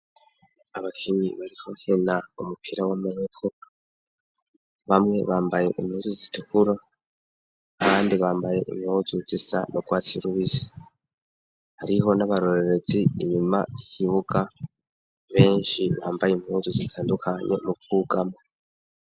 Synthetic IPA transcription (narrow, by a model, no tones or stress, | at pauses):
aβakʰiβiβaɾiho̞henaumupʰiɾawamaɲekʰo | βamŋe̞βaːmbaje̞ʔimhuːzuzitukuɾa | kaːndiβaːmbaje̞ʔḭmhuzuzisa̰no̞ɡ̥waːt͡siɾuβisi̥ | haɾiɦo̞naβaɾo̞ɾe̞ɾe̞ziːɲima̰ɾihiβuɡa | βe̞ːɲʃiβa̰ːmbajimhuːzuzitʰaːndukʰaɲe̞̰mukuɡama